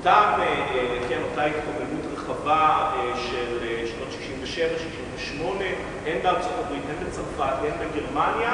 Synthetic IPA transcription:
taːmeeletkeamatajit̪komenut̪ʁeχavaeʃeleʃno̞t̪ʃi̥ʃimveʃevaʃiʃiɱveʃmo̞ne̞ | ʔendaʁt͡sofabʁit̪ʔenbet͡samfatenbeɡeʁmanja

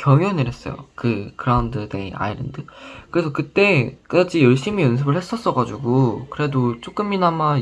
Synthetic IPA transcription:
kjʌŋjonɯɾɦe̞s͈ʌjo̰kɯkɯɾaundɯdḛḭna̰iɾḛndɯkɯɾesʰʌkɯt͈e̞k͈ad͡ʑijʌɭɕ͈imijʌns̬ʰɯbɯɭhe̞s͈ʌs͈ʌɡad͡ʑuɡokɯɾe̞dot͡ɕ͈ok͈ɯmːinama

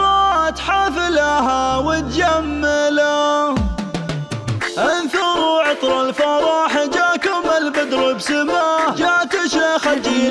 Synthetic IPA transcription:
ɾɑt̪ħaːfɪlahawɪt̪̚d͡ʒamːala | ʔanθʊɾuʕɪt̪ˤɾˤɑlfɑɾˤɑːħad͡ʒakʊmalbɪd̪ɾɨbsamaːd͡ʒat̪ɪʃaxad͡ʒi

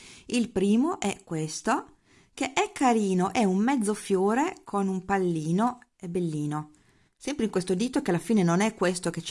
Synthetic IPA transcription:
ilpɾiːmoʔɛkːwest̪o | keʔɛkːaɾiːnoʔɛummɛd̪zːofjoːɾekʰonumpalːiːnoebelːiːno | sɛmpɾeiŋkwest̪od̪iːt̪okealːafiːnenonɛkːwest̪ok̟et͡ʃ

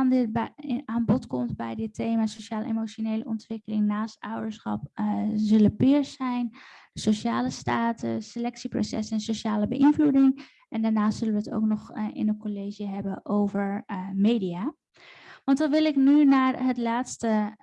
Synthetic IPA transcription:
ndɪbaːnbɔtkɔmtbɛjdɪtejmaːsowʃaːləḛmot͡ʃonejlə̰ʔɔntʋɪkəlɪŋnaːstœwdəɹsχɑ̰p̚zɪləpɪːɹsɛjn | dəsowʃaːləstaːtə̰selɛksipro̰wsɛ̰sɛnsoʃaːləbəʔɪnvludɪŋ | ʔɛndaːɹnaːstsɵlənʋəəto̰wknɔχʔɪ̰nənkolejʒəɦɛbənʔowvəɹmejdijaː | ʋɑntʋɑnʋɪlˠɪknynaːɹɦətlaːtstə

